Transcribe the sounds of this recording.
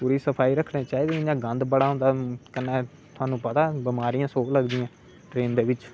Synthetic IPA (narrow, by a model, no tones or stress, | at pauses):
puːɾiːsəpʰaːiːɾəkʰɽeːt͡ʃaːiːd̪ẽɪãːɡə̃nd̪bəɽaːɦʊ̃nd̪aːkənːeː | t̪ʰʊaːnũːpət̪aːbɪmaːɾijãːsoːkləɡd̪ɪjãː | ʈɾeːnd̪eːʋɪt͡ʃ